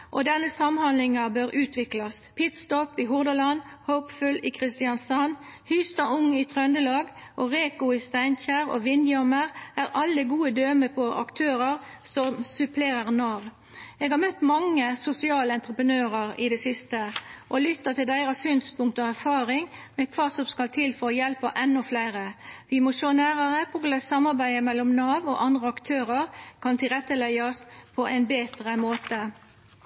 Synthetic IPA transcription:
ʔɔd̪ɛnːəsɑmhɑnlɪŋɑbøːɾʉːt̪ʰʋɪklɑspʰɪt̪st̪ɔpiɦʊʁd̪əlɑn | həʊpfʉlɪkʰʁɪst̪ɪɑnsɑn | hʏːst̪ɑʊŋit̪ʰʁœnd̪əlɑːɡʔoʁeːkʊɪst̪æɪnçæːʁo̰ʋɪnd̪ɪɔməʁæʁʔɑlːəɡuːəd̪øːməpʰɔʔɑ̰kt̪ʰøːʁəʁ | sɔmsʉpʰleːɾəʁnɑʋ | eːɡhɑmœt̪ːmɑŋːəsʊsɪɑːləɛnt̪ʁəpənøːɾəʁɪd̪ɛsɪst̪əʔɔlʏt̪ːət̪ɪld̪æɪɾɑsyːnspʊŋk̚t̪əɔæɾfɑːʁɪŋmɛkʰʋɑːsɔmskɑlt̪ʰɪlfɔɾɔjɛlpəʔɛnːɔflæɪʁəʋɪmɔʃoːnæːʁɑʁəpʰʊɡlɛsɑmɑɾbæɪəmɛlːɔmnɑːʋɔ̰ʔɑnd̪ʁəɑkt̪ʰøːʁəʁkʰɑnt̪ʰɪlʁɛt̪ːəlɛɪɑspʰɔʔæɪnbeːt̪ʁəmoːt̪ə

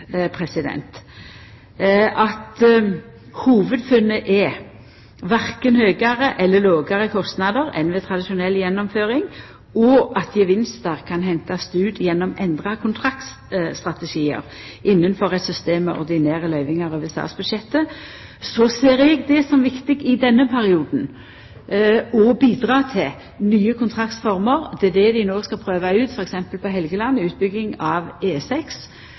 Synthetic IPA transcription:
pʰʁɛsɪd̪ɛ̰nt̪ | ʔɑt̪ | huːʋəd̪fʉnːəʔɛ | ʋæɾkənhøːɡɑʁəʔɛlːəloːɡɑʁəkʰɔst̪nɑd̪əʁɛ̰nʋɛt̪ʰʁɑd̪ɪʃʊnɛlːjɛnːɔmføːʁɪŋ | ɔʔɑt̪ʰjəʋɪnst̪əʁkʰɑnhɛnt̪ɑst̪ʉːd̪jɛnːɔmɛnd̪ʁɑkʰʊnt̪ʰʁɑkt̪ | st̪ʁɑt̪ɛʃiːə̰ɾ | ʔɪnːənfɔʁɛt̪sʏst̪eːmːɛʔɔ̰ɾd̪ɪneːɾəlœʏʋɪŋɑʁɔʋəsɑ̰ːt̪sbʉd̪ʃɛt̪ːə | sɔseːɾɛɡd̪ɛsɔmʋɪkt̪ɪɡɪd̪ɛnːəpʰæɾɪuːd̪n̩ | ɔbiːd̪ʁɑːt̪ʰɪl | nyːəkʰʊnt̪ʰʁɑkt̪fɔʁməɾd̪ɛd̪ɛd̪ɪnoːskɑlpʰɾøːʋɑʉːt̪fɔɾɛksɛmpəlpɔɦɛlɡəlɑnːʉːt̪̚bʏɡːɪŋɑʋeːsɛks

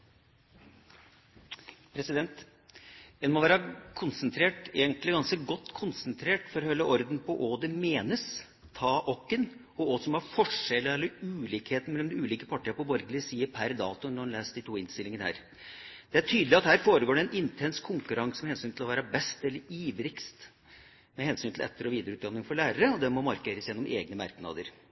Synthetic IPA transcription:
pʰɾɛsɪd̪ɛnt̪ | ɛnmɔʋæːɾəkʰʊnsənt̪ʰɾeːʈeːɡənt̪lɪɡɑnskəɡɔt̪ːkʰʊnsənt̪ʰɾeːʈfɔɾhœlːəʔɔɾd̪n̩pɔʔod̪ɛmeːnəs | t̪ʰɑːʔɔkːən | ɔɔsɔmhɑɾfɔʂɛlːəɛlːəɾʉːliːkheːt̪n̩mɛlɛmd̪ɛʉːliːkəpʰɑʈːəɾəpɔbɔɾɡlɪsiːəɾpʰæɾd̪ɑːt̪ʊnɔnlæːst̪d̪iːt̪ʰuːɪnst̪ɪlɪŋənəhæ̰ːɾ | d̪̥ɛæʈʰyːd̪lɪɑt̪hæːɾfoːɾəɡoːɖɛɛnɪnt̪ʰɛnskʰʊŋkʉɾɑŋsmɛhɛnsyːnt̪ɪlɔʋæːɾɑbɛst̪ɛlːəɾiːʋɾɪkst̪ | mɛhɛnsyːnɪlɛ̰t̪ːəɾɔʋiːd̪əɾəʉːt̪ɑnːɪŋfɔɾɭæːɾəɾəɔd̪ɛmɔmɑɾkeːɾəsjɛnːɔmʔeːɡnəmɑ̰ɾknɑ̰ːd̪əɾ

